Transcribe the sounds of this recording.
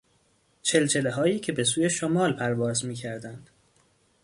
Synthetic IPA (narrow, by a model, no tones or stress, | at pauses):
t͡ʃʰe̞lt͡ʃʰe̞leɦɒːjiːcʰe̞be̞suːje̞ʃomɒːlpʰæɾvɒːzmiːcʰæɾd̪ænd̪̥